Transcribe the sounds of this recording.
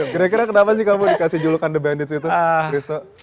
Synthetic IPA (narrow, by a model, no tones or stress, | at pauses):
kiɾakiɾakənapas̬ɪkamudikasɪhd͡ʒulukandəbɛndit̪sit̪ukɾist̪o